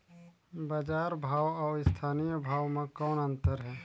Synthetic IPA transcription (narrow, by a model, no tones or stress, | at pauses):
bəd͡ʒaːɾbʱaːwɔːɪst̪ʰaːnijəbʱaːwmẽkɔːnənt̪əɾɦɛː